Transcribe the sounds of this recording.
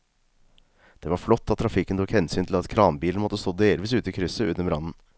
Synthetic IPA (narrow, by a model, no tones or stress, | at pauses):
d̪̥ɛʋɑɾflɔt̪ːɑt̪ʰːɾɑfɪkːənt̪ʰukhɛnsyːnt̪ʰlɑt̪kʰɾɑːnbiːln̩mɔt̪ːəst̪oːd̪eːlʋiːs̬ʉːt̪əɪkʰɾʏsəʉnːəmɾɑnn̩